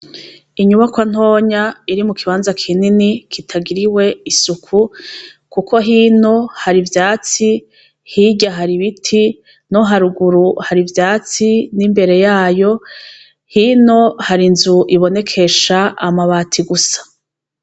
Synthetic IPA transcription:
iɲuβakwan̥ho̞ːɲaiɾimukiβaːnzakʰininikʰitʰaɡiɾiwe̞isukʰu | kukʰo̞ɦiːno̞haɾivjaːt͡si | hiɟaɦaɾiβitʰi | noɦaɾuɡuɾuhaɾivjaːt͡sinimbe̞ɾe̞jaːjo̞ | hiːno̞haɾinzuʔiβo̞ne̞kʰe̞ʃaːmaβaːtʰiɡusḁ

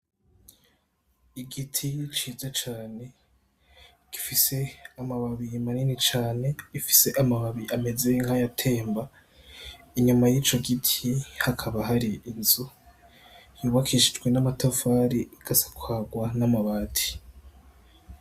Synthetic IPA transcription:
iɡitʰit͡ʃiːzat͡ʃaːne̞ | ɡ̥ifise̞amaβaβimaninit͡ʃaːne̞ifi̥se̞ʔamaβaβiʔame̞zeŋhajatʰe̞ːmba | iɲumajiːt͡ʃo̞ɡitʰihakʰaβaɦaɾiinzu | juːβakʰiʃid͡ʒɡwe̞namatʰafaɾiiɡ̥asḁkwaːɡwanamaβaːtʰi̥

